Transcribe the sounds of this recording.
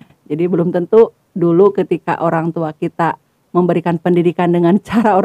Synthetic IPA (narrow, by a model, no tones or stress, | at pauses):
d͡ʒadibəlʊmt̪ənt̪u | dulukət̪ika̰ʔoɾaŋt̪uakit̪a | məmbəɾikanpəndidikandəŋant͡ʃaɾaoɾ